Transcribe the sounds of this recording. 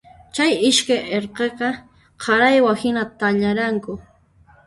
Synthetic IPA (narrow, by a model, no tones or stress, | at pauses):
t͡ʃajɪʃkajeɾqeqɑ | qʰɑɾajwahɪnat̪aʎaɾaŋkʊ